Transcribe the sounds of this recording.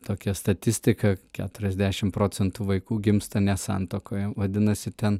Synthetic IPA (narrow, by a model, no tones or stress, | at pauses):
t̪oːkʲɛst̪ɐt̪ʲɪsʲt̪ʲɪkɐkʲæːt̪ʊɾʲɛzʲd̪ʲæːʃʲɪmpɾoːt͡s̪ʲɛnt̪uːʋɐɪkuːɡʲɪmst̪ɐnʲɛsɑ̰nt̪oːkoːjɛʋɐd̪ʲɪnɐsʲɪt̪ʲɛn